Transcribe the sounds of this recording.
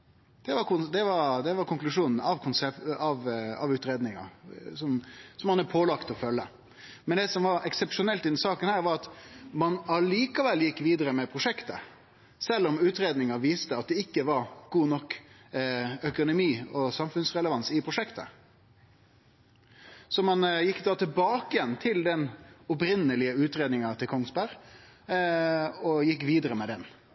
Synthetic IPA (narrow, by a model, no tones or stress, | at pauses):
d̪̥ɛʋɑkʊd̪ɛʋɑɾd̪ɛʋɑɾkʰʊŋklʉʂuːnn̩ɑʋkʰʊnsɛpɑʋɑʋʉːt̪ɾeːd̪nɪŋɑ̰sɔmsɔmhɑnɑpʰoːlɑkt̪ɔfœlːə | mɛnd̪ɛsɔmʋɑɾɛksɛpʂʊnɛlt̪ɪd̪ɛnsɑːkənhæːɾʋɑɾɑt̪mɑnɑliːkɑʋɛlːjɪkːʋiːd̪əɾəmɛpʰɾʊʂɛkt̪ə̰ | sɛlːɔmʉːt̪ɾeːd̪nɪŋɑʋiːst̪əɑt̪̚d̪ɛɪkːəʋɑɾɡ̥uːnɔkː | œkʊnʊmiːɔsɑmfʉnsʁɛləʋɑnsɪpʰɾʊʂɛkt̪ə̰ | sɔmɑnjɪkːd̪ɑːt̪ʰɪlbɑːkɪjɛnːt̪ʰɪld̪ɛnɔpɾɪnːəlɪəʉːt̪ɾeːd̪nɪŋɑt̪ʰɪlkʰɔŋsbæɾ | ɔjɪkːʋiːd̪əɾəmɛd̪ɛn